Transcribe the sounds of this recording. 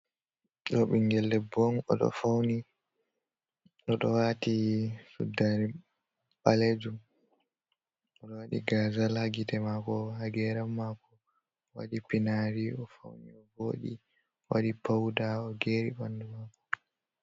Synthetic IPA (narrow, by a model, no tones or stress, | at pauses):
ɗɔɓiŋɡɛlːɛbɔnɔɗɔ̰fawni | ɗɔɗɔwatisṵdaɾi | ɓaled͡ʒum | ɔɗɔwaɗḭɡazalhaɡitɛmakɔhaɡɛɾamːaːkɔ | wa̰ɗipinaɾiɔfa̰wnḭɔboːɗḭ | waɗipawdaɔɡeɾibandumaːkɔ̥